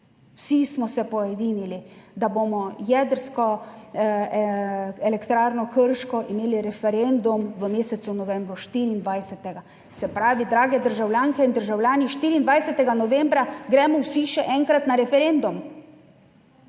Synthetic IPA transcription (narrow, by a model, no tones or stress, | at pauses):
wsismɔsɛpɔjɛd̪iːnilid̪abomɔjɛd̪əɾskɔ | ɛlɛkt̪ɾaːɾnɔkəɾʃkɔʔimeːliɾɛfɛɾɛnd̪umʋəmeːsɛt̪sunɔʋɛmbɾuʃt̪iːɾiːnd̪ʋajsɛt̪ɛɡa | sɛpɾaːʋid̪ɾaːɡɛd̪əɾʒawljaːŋkɛind̪əɾʒawlʲjaːniʃt̪iːɾiːnd̪ʋajsɛt̪ɛɡanɔʋembɾaɡɾɛmɔwsiʃɛʔɛŋkɾat̪naɾɛfɛɾend̪um